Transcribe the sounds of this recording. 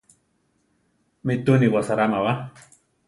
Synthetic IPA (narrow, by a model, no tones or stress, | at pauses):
mit̪uniwasaɾamawa